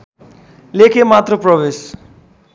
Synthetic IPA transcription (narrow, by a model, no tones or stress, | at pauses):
lekʰemat̪ɾopɾʌbes